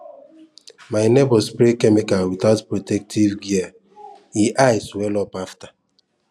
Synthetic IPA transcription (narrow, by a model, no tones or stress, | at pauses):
maɪnebɔspɾikemekawitatpɾotɛk̚tʰivɡia | iʔaɪswɛlɔpaftḁ